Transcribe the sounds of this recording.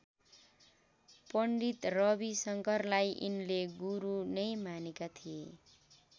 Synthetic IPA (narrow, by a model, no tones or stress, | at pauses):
pʌɳɖit̪rʌbisʌŋkʌrlajʔḭnleɡuɾunʌjmanekat̪ʰije